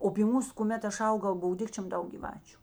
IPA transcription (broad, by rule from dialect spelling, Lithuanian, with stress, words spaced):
oː pʲiː ˈmuːs kʊˈmʲɛt ˈɐʃ ˈɐʊɡɐʊ ˈbʊʋoː ˈdʲɪkt͡ʃʲoːm ˈdɐʊk ɡʲiːˈʋɑːt͡ʃʲʊ